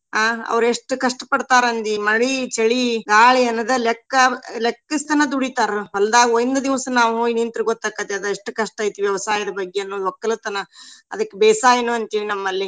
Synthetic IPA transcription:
ɦaːɐ̰ʋɾeʂʈukɐʂʈɐpɐɽt̪aːɾɐnd̪imɐɭit͡ʃɐɭiɡaːɭiɐnːɐd̪ɐlekːɐlekːist̪ɐnɐd̪uɽit̪aːɾʋɐlɐd̪aːɡiojnd̪ɐd̪iʋsɐnaːʋuɦoːjinint̪ɾuɡot̪ːaːkːɐt̪eɐd̪ɐeʂʈːukɐʂʈ̪aːjt̪iʋjɛʋɐsaːjɐd̪ɐbɐɡːeɐnːoːd̪uɔkːɐlɐt̪ɐnɐɐ̰d̪ɐkːebɛːsaːjenuɐnt̪iʋinɐmːɐlːi

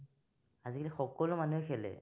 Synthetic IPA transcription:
azikalixɔkɔlʊmanuekʰɛlɛ̰

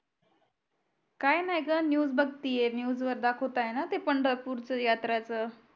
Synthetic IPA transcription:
kajnajɡənjuːd͡zbəɡt̪ijenjuːd͡zʋəɾd̪akʰot̪ajenat̪epəɳɖəɾpuːɾt͡səjat̪ɾat͡sə

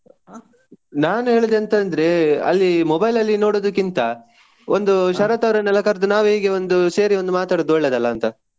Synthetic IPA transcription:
naːnuɦe̞ːɭid̪eɐnt̪ɐnd̪ɐɾe̞ɐ̰lːimɔbɐjlɐlːino̞ːɽoːd̪ɐkːint̪ɐ | ond̪uʃɐɾɐt̪ɐʋɾɐnɛlɐkɐɾd̪unaːʋuɦiːɡe̞ond̪use̞ːɾio̞nd̪umaːt̪aːɽod̪uɭːed̪ɐlːɐːnt̪ɐ

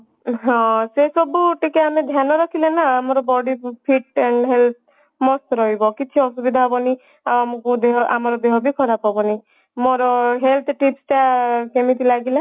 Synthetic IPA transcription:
ɦɔ̃sesɔbuʈikeamed̪ʱjanɔɾɔkʰilenaːmɔɾɔbɔɽipʰiʈ̚eɳɦelt̪̚ʰ | mɔst̪ɾɔɦibɔkit͡ʃʰiɔsubid̪ʱaɦɔbɔni | amɔkud̪eɦɔʔa̰mɔɾɔd̪eɦɔbʱikʰɔɾapɔbɔni | moɾɔɦelt̪ʰʈipsʈakemit̪ilaɡila

